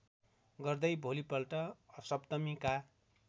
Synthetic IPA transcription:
ɡʌrd̪ʌjbʱolipʌlʈʌʌsʌpt̪ʌmika

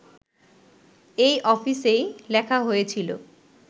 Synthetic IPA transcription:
ejʔɔfisejlɛkʰaɦojet͡ɕʰilo̰

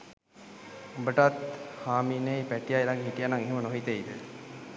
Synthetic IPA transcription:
bəʈat̪haːminejpæʈːijajɾaɡeɦiʈijanaŋeɦimənoɦit̪eid̪ə̰

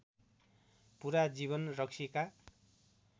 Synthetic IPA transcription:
puɾad͡ziβʌnrʌksʰika

